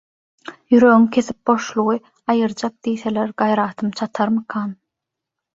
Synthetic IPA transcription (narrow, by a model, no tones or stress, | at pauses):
jyɾø̞ɣyŋkʲʰe̞θip̚bo̞ʃlˠuʁɯ | ɑjɯɾd͡ʒɑq̚d̪ijθe̞leɾɡɑjɾɑːt̪ʰɯmt͡ʃʰɑt̪ʰɑɾmɯqʰɑːn